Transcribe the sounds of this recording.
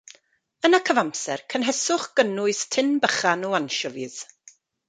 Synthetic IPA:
ənakʰəvamsɛ̰rkʰənɦɛsʊχɡ̥ənʊɨstʰɪnbəχanɔanʃɔvið̥

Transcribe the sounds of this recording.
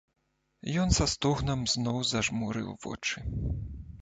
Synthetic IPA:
jɔnsɐst̪uɣnɐmznɔwzɐʐmuɾɨ̰wvɔ̰t͡ʂɨ

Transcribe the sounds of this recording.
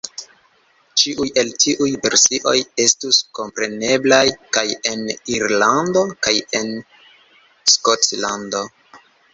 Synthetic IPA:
t͡ʃiʔuje̞ltʰiʔujve̞ɾsiʔo̞je̞stusko̞mpɾe̞ne̞blajkaje̞niɾlando̞kaje̞n | skotlando̞

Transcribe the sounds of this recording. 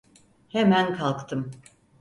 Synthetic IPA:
hemænkʰalˠkt̪ʰɯm

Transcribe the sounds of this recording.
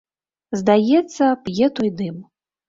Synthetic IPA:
zd̪ajɛt̪sːɐpjɛt̪ɔjd̪ɨm

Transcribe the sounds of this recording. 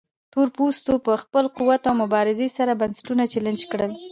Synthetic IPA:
t̪oɾpust̪opəxpəlquwat̪awmʊbɑɾɪzesaɾabansɪ̥ʈunat͡ʃelɪnd͡ʒkɽəl

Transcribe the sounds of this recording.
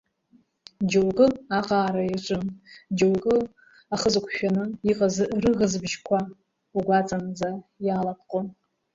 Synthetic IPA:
d͡ʒowɡʼɨaqʼaːɾaiʈ͡ʂʷʼɨnd͡ʒowkʼɨ | aχəzɨkʷʰʃᶣanɨiqʼazrɨɣəzbʒkʷʰa | uɡʷat͡sʼand͡zajaːlapʰqʼon

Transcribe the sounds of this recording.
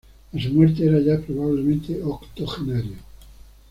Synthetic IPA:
asumweɾt̪̬eeɾaʝapɾoβaβ̞lemẽnt̪eʔokt̪oxenaɾjo

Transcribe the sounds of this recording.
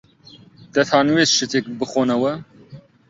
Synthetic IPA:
d̪̥ɛθʰaːnuweːsʃɨt̪ek̚bɨxoːnɐwɛ

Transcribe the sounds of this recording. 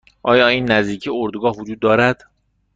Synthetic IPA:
ʔɒːjɒːiːnːæzd̪iːcʰioɾd̪ɡɒːhvod͡ʒuːd̪ːɒːɾæd̪̥

